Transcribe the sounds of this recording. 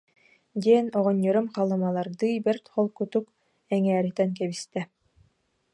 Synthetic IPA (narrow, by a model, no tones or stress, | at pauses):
d̪iɛnɔʁɔɲːɔɾɯmqalˠɯmalˠaɾd̪ɯibɛɾt̪χɔlˠkut̪uk | ɛŋæːɾit̪ɛnk̬ɛβist̪ɛ